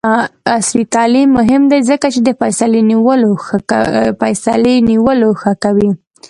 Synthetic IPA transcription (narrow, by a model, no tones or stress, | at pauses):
asɾit̪ɑlimːʊɦɪmd̪ajzəkat͡ʃed̪əfajsaleniwəloxpajsa̰leniwəloxəkawi